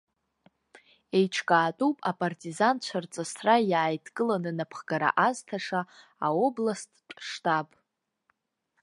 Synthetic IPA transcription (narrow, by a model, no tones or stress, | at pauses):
e̞jʈ͡ʂʰkʼaːtʼupʼapʼartʼizant͡ɕʷʰart͡sʼasʰrajaːjtʰkʼɨlanɨnapʰχɡaɾa̰ʔaztʰaʂa | ao̞blastʼːʂtʼapʼ